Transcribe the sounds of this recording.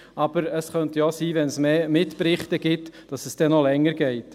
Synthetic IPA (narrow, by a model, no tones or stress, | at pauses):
ʔɑb̥əɾəsχœntjɔsiːvɛnsmeːmɪtpɾɪχtəɡ̥ɪtd̥ɑsəsd̥ɛnɔlɛŋːəɾɡ̥ɛɪt